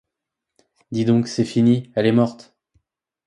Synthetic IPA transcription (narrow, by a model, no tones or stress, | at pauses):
d̪id̪ɔ̃ksɛfiniɛlɛmɔʁt̪